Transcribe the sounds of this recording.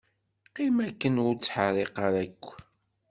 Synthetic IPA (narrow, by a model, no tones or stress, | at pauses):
qimækːənʊɾt͡sːħərˤeqəɾækʷː